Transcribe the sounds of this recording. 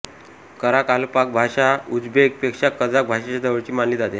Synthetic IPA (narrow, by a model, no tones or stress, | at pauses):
kəɾakalupak̚bʱaɕaud͡zbʱek̚pekʂakːəd͡zak̚bʱaɕat͡ɕad̪əʋəɽt͡ɕiːmanliːt̪d͡zat̪e